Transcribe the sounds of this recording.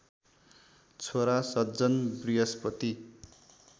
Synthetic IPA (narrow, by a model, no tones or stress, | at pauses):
t͡sʰoɾasʌdd͡zʌnbriɦʌspʌt̪i